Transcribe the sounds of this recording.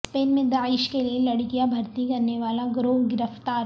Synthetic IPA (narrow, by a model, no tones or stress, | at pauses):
speːnmẽd̪aːɪʃkelielɐɽkijabʱɐɾt̪ikɐɾneʋaːlaɡɾoːɦɡɪɾəft̪aːɾ